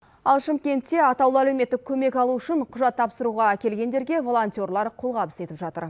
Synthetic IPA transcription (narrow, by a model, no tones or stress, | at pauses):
ɑlˠʃɪmkʲe̞nt̪ːe̞ɑt̪ɑwlˠəælewme̞t̪ːɪkʲʰːɵme̞kɑlˠuʏʃɪɴqʰʊʒɑt̪ʰːɑpsəɾuʁɑkʲe̞lɡʲe̞nd̪e̞ɾɡʲe̞vo̞lˠo̞nt̪ʲio̞rlˠɑɾqʰolˠʁɑpɪse̞t̪ɪpʒɑt̪ə̰ɾ